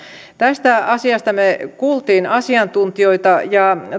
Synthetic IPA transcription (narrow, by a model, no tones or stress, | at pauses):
t̪æst̪æɑsiɑst̪ɑmekuːlt̪iːnɑsiɑnt̪unt̪ioit̪ɑjɑ